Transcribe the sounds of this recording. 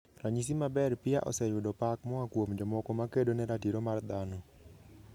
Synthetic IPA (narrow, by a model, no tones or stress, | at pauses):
raɲis̬imabɛrpɪaʔɔ̰sɛjʊdɔpak̚mɔakwomd͡ʒɔmɔkɔmakedonɛɾatiɾomard̪anɔ